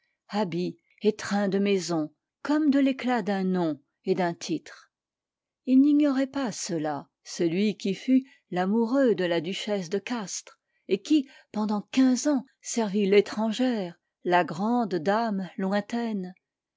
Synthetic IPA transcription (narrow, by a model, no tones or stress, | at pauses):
abi | et̪χɛ̃d̪əmɛzɔ̃ | kɔmd̪əleklad̪ɛ̃nɔ̃ | ed̪ɛ̃t̪ʰit̪χ | ilniɲɔʁɛpasəla | səlɥikʲify | lamuʁød̪əlad̪yʃɛsd̪əkast̪χ | ekʲi | pɑ̃d̪ɑ̃kʲɛ̃zɑ̃ | sɛʁvilet̪χɑ̃ʒɛʁ | laɡʁɑ̃d̪ːamlwɛ̃t̪ɛn